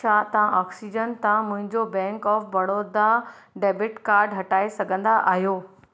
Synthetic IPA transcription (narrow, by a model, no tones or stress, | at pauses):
aːt̪ɐʋãʔɔːksid͡ʑənt̪ãmʊ̃ɦɪ̃ɲd͡ʑobɛ̃ːŋkɔːfbɐɽoːd̪a | ɖeːbɪʈkaːɾɖɦɐʈaːesɐɡʱə̃nd̪aʔa̰ːɦijoː